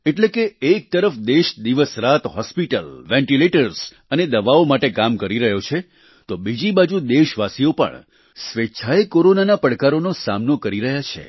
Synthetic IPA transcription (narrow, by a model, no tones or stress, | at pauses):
eʈlekeːk̚t̪əɾəfd̪eʃd̪iʋəsɾat̪ɦɔspiʈəlʋɛ̃ɳʈileʈəɾs | əned̪əʋaomaʈekamkəɾiɾəɦjot͡ʃʰe | t̪obid͡ʒibad͡ʒud̪eʃʋasiopə̰ɳ | sʋet͡ʃʰaekoɾonanapəɽkaɾonosa̰mnokəɾiɾəɦjat͡ʃʰḛ